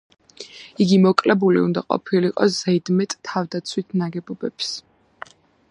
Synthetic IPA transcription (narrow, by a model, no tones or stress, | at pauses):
iɡimɔkʼlɛbulḭṵnd̪a̰qʼɔ̰pʰiliqʼɔsz̥ɛd̪mɛt̪ʼʰːavd̪at̪sʰwit̪ʰnaɡɛbɔbɛps